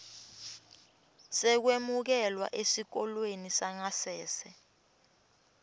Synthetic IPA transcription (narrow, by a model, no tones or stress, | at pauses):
sɛk̬wemuk̬ɛlwa̰ʔesik̬ɔlwenisaŋasɛːsɛ